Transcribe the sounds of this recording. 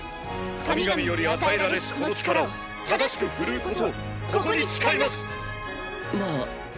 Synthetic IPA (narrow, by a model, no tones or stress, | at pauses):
amʲiiɡmʲijoɾʲiat̪aeɾad̪esot͡ɕi̥kaɾao | t̪ad̪aɕi̥kɯ̟ɸɯ̟ɾɯ̟ːko̞t̪o̞ | kokoɲ̟it͡ɕi̥kaimasɨ̥ | ma